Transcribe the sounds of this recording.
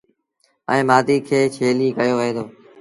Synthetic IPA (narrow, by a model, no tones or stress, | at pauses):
ə̰̃ːmaːd̪iːkʰeːt͡ʃʰeːliːkəjoːʋəẽːd̪ʰoː